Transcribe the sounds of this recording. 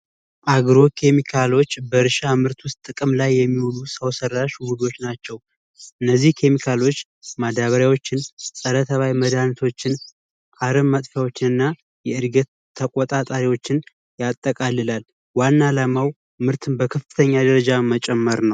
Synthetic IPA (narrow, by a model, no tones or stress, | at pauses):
ʔaɡɾo̞kʰe̞mikʰalo̞t͡ʃːbəɾɨʃamɨɾt̪wʊst̪ʼːɨkʼɨmlajːɛmːiwolusəwsərːaʃwud̪o̞t͡ʃːnat͡ʃːɛw | ʔɨnːəzːihkʰe̞mikʰalo̞t͡ʃː | mad̪aβəɾjawo̞t͡ʃːɪnsʼəɾət̪ʰəβajməd̪ant̪ʰo̞t͡ʃːɪn | ʔaɾəmːat̪ʼfjawo̞t͡ʃːɪnɨnːa | jɛɨɾɡət̪ʰːəkʼot̪ʼat̪ʼaɾiwo̞t͡ʃːɪn | jat̪ʼːəkʼalːɨlal | wanːalamaw | mɨɾt̪ʰɨnbəkʰəfɨ̥t̪ʰəɲːad̪əɾəd͡ʒamət͡ʃʼɛmːəɾnəw